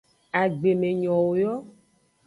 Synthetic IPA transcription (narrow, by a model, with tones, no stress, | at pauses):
a˨ɡ͡be˨mẽ˨ɲɔ̃˨wo˨jɔ˦